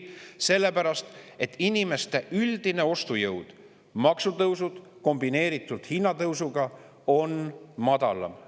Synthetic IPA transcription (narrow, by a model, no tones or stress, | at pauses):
se̞lːe̞pæɾɑst̪e̞t̪ːˑinime̞st̪e̞ʔyld̪̥ine̞o̞st̪ujɤwd̪̥ | mɑksut̪ɤwsud̪̥ | ko̞mbine̞ːɾit̪ːˑud̪̥hinːɑt̪ɤwsuɡ̥ɑ | o̞nmɑd̪̥ɑ̰lɑ̰m